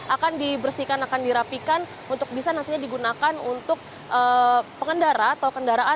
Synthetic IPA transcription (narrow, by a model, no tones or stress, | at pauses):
ʔakandibərsikanakandiɾapikan | unt̪ʊk̚bisanant̪iɲadiɡunakanunt̪ʊk̚ | ʔəpəŋəndaɾaːt̪awkəndaɾaʔa